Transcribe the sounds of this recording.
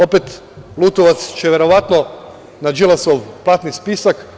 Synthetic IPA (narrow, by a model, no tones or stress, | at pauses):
opet̪ | lˠut̪oʋat̪st͡ʃeʋjeɾoʋat̪no | nad͡ʒilˠasoʋplˠat̪nispisak